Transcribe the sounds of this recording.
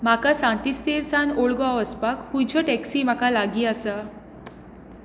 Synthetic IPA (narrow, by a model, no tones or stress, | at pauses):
makasãt̪ist̪iɾsãnoɭɡɔaəspakhũt͡ɕʰɔʈɛksiːm̤akalaɡiːasa